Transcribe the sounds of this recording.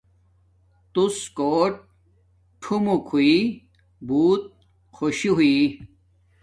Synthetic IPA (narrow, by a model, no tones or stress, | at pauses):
t̪uskoːʈ̚ | ʈʰumukʰui | buːt̪̚ | xʰoɕiɦuiː